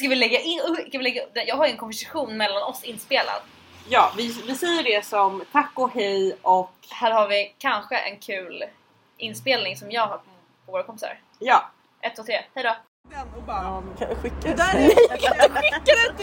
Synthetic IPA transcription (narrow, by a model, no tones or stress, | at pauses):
skavɪlɛɡːaʔɪnːɵskavɪlɛɡːaɵp̚d̪ɛjɑːɡɦaɾjɛnkʰɔnvæʂaɧuːnmɛlːanɔsːɪnːspeːla̰d̪ | jɑːvɪvɪsɛjːəɖɛsɔmt̪ʰakːɔhɛjʔɔkhæːɾhaɾvɪkʰanɧəʔɛ̰nkʰʉ̟ːl | ʔɪnːspeːlnɪŋsɔmjɑːɡhapʰɔ | ɔvoːɾakʰɔmpɪ̥sa̰ɾ | jɑː | ʔɛt̪ːvoːt̪ʰɾeːhɛjd̪ɔ | ɛnkʰɧɪk̪ː | kʰɧɪkːad̪ɛ